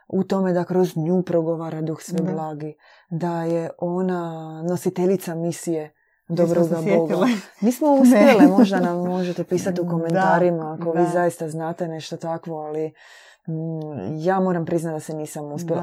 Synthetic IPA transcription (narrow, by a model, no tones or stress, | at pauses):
ut̪o̞me̞d̪akɾo̞zɲupɾoɡo̞ʋaːɾad̪uxsʋeblˠaːɡi | d̪aje̞ʔo̞nano̞sit̪eʎit̪samisije | d̪o̞bɾoɡabo̞ɡamiːsmo̞uspjelimoʒd̪anamːo̞ʒe̞t̪e̞piːsat̪iuko̞me̞nt̪aːɾimaːko̞ʋiːzajist̪aznaːt̪e̞ne̞ʃt̪ot̪akʋo̞ali | jaːmo̞ɾampɾiznat̪d̪aseniːsamuspʲjela